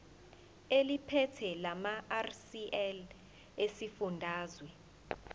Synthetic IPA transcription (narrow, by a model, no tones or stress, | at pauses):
elipʰɛtʰɛlamaarsiʔɛl | esifundʱaːzwɛ